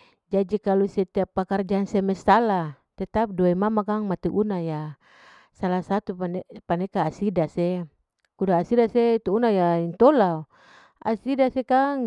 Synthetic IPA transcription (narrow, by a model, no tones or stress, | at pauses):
d͡ʒad͡ʒikalusɛt̪iapːakard͡ʒansɛmɛsːala | t̪ɛt̪ap̚duaimamakaŋmat̪iʔunaja | salasat̪unpanɛkaːsidase | kudaːsidaset̪uunajaint̪olao | a̰sidasekaŋ